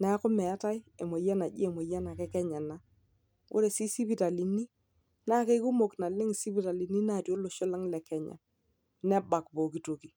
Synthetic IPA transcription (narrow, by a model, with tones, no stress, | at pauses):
na˨˦kʊ˦mɛ˨a˦ta˦je˨mo˨ja˦na˨ʄi˦e˨mo˨ja˦na˨kɛ˦kɛ˦ɲa˨na˦ | ʊ̰˦ɾe˨si˦si˦bi˦ta˨li˨ni˦ | na˦ke˦ku˦mo˨kna˨lɪ˦ŋ˨si˦bi˦ta˨li˨ni˦na˦˨tjo˦lʊ˨ʃʊ˦la˦ŋlɛ˨kɛ˨ɲa̰˨ | nɛ˦ba˨kbo˨ki˨to˨ki˨